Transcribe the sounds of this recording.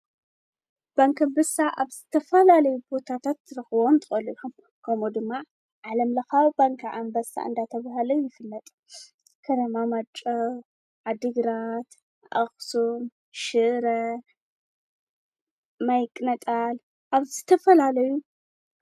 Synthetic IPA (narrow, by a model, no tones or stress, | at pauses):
b̥aŋkʰɐmbɐsaʔaβzɨt̪ʰɐfɐlalɐjubo̞t̪ʰat̪ʰat̪ːɾɨxɨβont̪ʰɨxʼɐliħum | kʰɐmod̪ɨmːa | ʕalɐmlɐxawb̥aŋkʰaʕa̰mbɐsa̰ʔɨ̰nd̪at̪ʰɐβaɦalɐjjɪfɨlːɐt̪ʼ | kʰɐt̪ʰɐmamat͡ʃʼɐw | ʕad̪ɨɡɾat̪ | ʔaxʼsum | ʃɨʔɾɐ | majkʼnɐt̪ʼal | ʔaβzɨt̪ʰɐfɐlalɐju